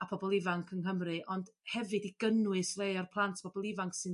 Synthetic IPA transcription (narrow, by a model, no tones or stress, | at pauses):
apʰɔbɔlˠɪvaŋkʰənɦəmrɨʔɔnd̥hɛvɨdiɡ̥ənwɨsrejɔrpʰlˠantʰpʰɔbɔlˠɪvaŋksɨn